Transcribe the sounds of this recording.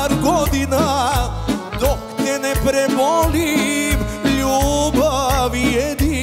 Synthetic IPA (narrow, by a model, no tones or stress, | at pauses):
ɾɡod̪ina | d̪okʰt̪enepɾebɔlibljobʱəʋied̪i